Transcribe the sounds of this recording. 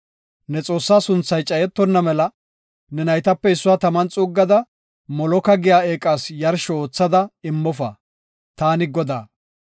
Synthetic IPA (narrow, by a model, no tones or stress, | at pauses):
nɛt͡sʼo̞ːsːaːsʊnt͡sːɐjt͡ʃʼɐjɛt̪ːɔnːɐmɛlɐ | nɛnɐjt̪ɐpːɛɪsːʊwaːt̪ɐmɐnt͡sʼʊɡːɐd̪ɐ | mɔlɔkɐɡɪjaːeːkʼaːsjɐɾʃɔoːt͡sːɐd̪ɐɪmːɔfɐ̰ | t̪aːnɪɡɔd̪a̰ː